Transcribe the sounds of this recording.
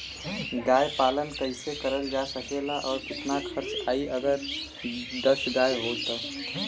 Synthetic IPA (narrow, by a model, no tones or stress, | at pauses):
ɡaːjpaːlənkəɪsekəɾəld͡ʒaːsəkeːlaʔɔːɾkɪt̪nakʰəɾt͡ʃaːiʔəɡəɾ | d̪əsɡaːjɦoːt̪ə